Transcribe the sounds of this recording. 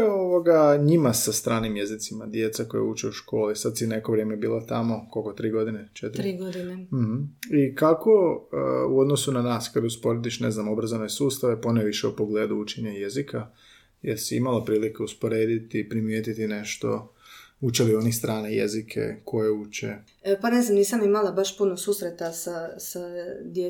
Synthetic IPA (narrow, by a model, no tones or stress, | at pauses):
oʋoɡaɲimasast̪ɾaːnimje̞zit̪simad̪je̞t̪sako̞̰jeut͡ʃeuʃko̞ːlisad̪sinekoʋɾje̞ːmebiːlˠot̪amo̞kolkot̪ɾiːɡo̞d̪inet͡ʃet̪ɾim̩ikako̞ | uo̞d̪nosunanaːskad̪uspo̞ɾed̪iʃne̞znamobɾazonesuːst̪aʋe̞poneʋiʃɛupo̞ɡleːd̪uut͡ʃeɲajezikʰa | jeɾsiḭmalapɾiːlikeuspo̞ɾeːd̪it̪ipɾimjeːt̪it̪ine̞ʃt̪o̞̰ut͡ʃelio̞nixst̪ɾaːnajḛzikʰḛkʰo̞jeut͡ʃḛ | paneznamniːsamimalabaʃpunoɡsuːsɾet̪asasad̪je